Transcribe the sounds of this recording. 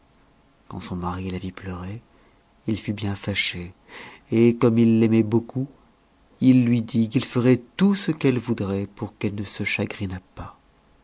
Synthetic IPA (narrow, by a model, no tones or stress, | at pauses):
kɑ̰̃sɔ̃maʁialavipləʁɛ | ilfybjɛ̃faʃe | ekɔmilːɛmɛbokʰu | ilːɥid̪ik̬ilfəʁɛt̪usəkɛlvud̪ʁɛpuʁkɛlnəsəʃaɡʁinapa